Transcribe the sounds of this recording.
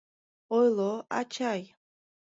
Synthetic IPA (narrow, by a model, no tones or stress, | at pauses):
ojlˠoa̰t͡ʃʰaj